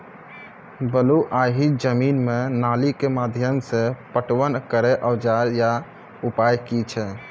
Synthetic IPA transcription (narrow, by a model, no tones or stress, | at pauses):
bəluʔaɦid͡ʒəminmenalikemad̪ʱjəmsẽpəʈʋənkəɾɛʔəwd͡ʒaɾja | upajkit͡ʃʰɛ